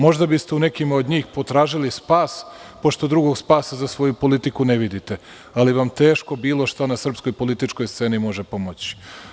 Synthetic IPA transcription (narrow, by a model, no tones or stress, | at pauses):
mo̞ʒd̪abist̪eune̞kimod̪ɲiːxpo̞t̪ɾaːʒilispaːspo̞ʃt̪o̞d̪ɾuɡo̞ɡspaːsazasʋo̞jupo̞lit̪ikuneʋid̪it̪e | aliʋamt̪e̞ːʃko̞biːlˠo̞ʃt̪anasr̩psko̞jpo̞lit̪it͡ʃkojst̪se̞ːnimo̞ʒepo̞mo̞t͡ɕi̥